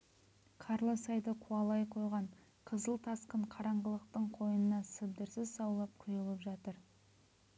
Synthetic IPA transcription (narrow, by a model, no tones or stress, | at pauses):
qʰɑɾlˠəsɑjd̪əqʰuɑlˠɑjqʰo̞jʁɑɴ | qʰəzəlˠt̪ʰɑsqəɴqʰɑɾɑɴʁəlˠəq̚t̪əɴqʰo̞jənənɑsəb̚d̪əɾsɪzsɑwlˠɑp̚qʰʊjəlˠəpʒɑt̪əɾ